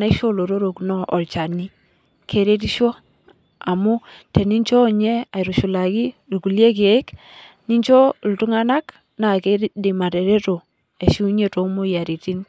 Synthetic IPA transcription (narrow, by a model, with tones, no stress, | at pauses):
na˦ʃo˦lo˨ɾo˦ɾo˨knɔ˦ʔɔ˨lt͡ʃa˨ni˦ | kʰe˨ɾe˦ti˦ʃo˦ | a˨mu˦te˨ni˦nt͡ʃo˦˨ɲe˦a˨i˨ɾu˨ʃu˨la˨ki˦lku˨lje˦ke˨˦k | ni˦nt͡ʃo˦ltu˦ŋa˦na˦k | na˨ke˦di˨ma˨te˨ɾe˦to˨ | e˨ʃu˦ɲe˦to˨˦mo˦ja˨ɾi˨ti˦n